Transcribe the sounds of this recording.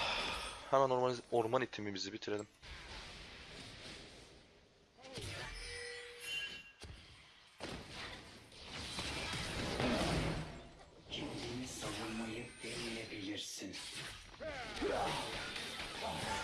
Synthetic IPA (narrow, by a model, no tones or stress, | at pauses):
hæmænoɾoɾmanit̪ʰimimizibit̪ʰiɾelʲim | t͡ʃʰind̪iniz̥savunmajɯkd̪ɛmijebilʲiɾsin